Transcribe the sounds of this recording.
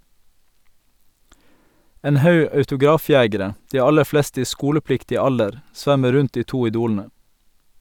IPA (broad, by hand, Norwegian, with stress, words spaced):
ˈeːn ˈhɑʉ ɑʉtʊˈɡɾɑːˌfjeːɡəɾə ˈdiː ˈɑlə ˈflɛstə ˈiː ˈskuːləˌplɪktɪ ˈɑldəɾ ˈsʋæmə ˈɾʉnt ˈdiː ˈtuː ɪˈduːln̩ə